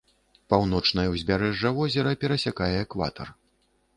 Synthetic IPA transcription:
pawnɔt͡ʂn̪ɐjɐwzʲbʲaɾɛʐːɐvɔzʲɛɾɐpʲɛɾɐsʲakajɛːkva̰t̪ʰɐ̰r

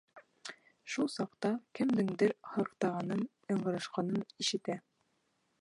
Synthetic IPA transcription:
ʃulˠsɑqt̪ɑkɘ̆md̪ɘŋd̪ɘɾhɤ̆qt̪ɑʁɑnɤnjɤ̆ɴɢɤ̆ɾɤʃqɑnɤniʃɘ̆t̪æ

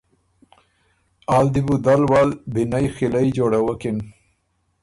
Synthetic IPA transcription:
aːld̪ibud̪alwalbinajxilajd͡ʒoɽawakɪn

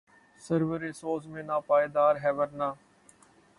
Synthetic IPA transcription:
səɾʋəɾeːsoːzmẽːnaːpaːeːd̪aːɾɦɛːʋəɾnaː

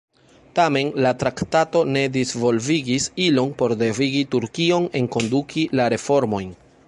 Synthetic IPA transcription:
tame̞nlatɾaktato̞ne̞dizvo̞lviɡisilo̞npo̞ɾde̞viɡituɾkio̞ne̞ŋko̞ndukʰilaɾe̞fo̞ɾmo̞jn

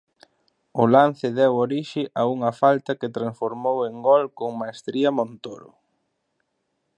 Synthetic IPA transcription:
ʊlan̟θɪðɛwoɾiʃɪʔauŋɐfalt̪ɐkɪt̪ɾãnsfoɾmoweŋɡɔlkoŋmaest̪ɾiɐmõnt̪oɾʊ̰

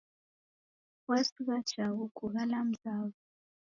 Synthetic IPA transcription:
wasuβḁt͡ʃaɣukuɣalam̩zaːβu

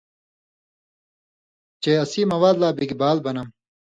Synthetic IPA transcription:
t͡ɕeɐsiːmɐwaːd̪laːbiɡibaːlbɐnɐm

